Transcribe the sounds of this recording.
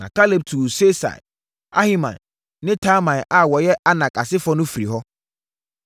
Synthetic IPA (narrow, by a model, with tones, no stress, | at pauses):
nã̰˨kʰa˦le˨b̚tʰuː˨se˦sa̰˨ | a̰˦hi˦mã̰˨nː | ɪ̃˦tʰaː˦mã˨ʔa˨wɔ˨jɛ˦ʔa˦nã˨kʰʼa˨sɪ˦fɔ˦nʊ̃˦fi˨ɾi˨ɦɔ˦